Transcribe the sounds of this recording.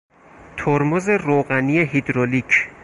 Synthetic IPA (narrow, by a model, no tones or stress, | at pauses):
t̪ʰoɾmoze̞roɣænijeɦid̪ɾolicʰ